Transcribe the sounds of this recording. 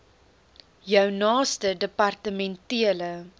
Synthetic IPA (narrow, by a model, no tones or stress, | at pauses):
jœwnɑːstədəpɐrtəmɛntiələ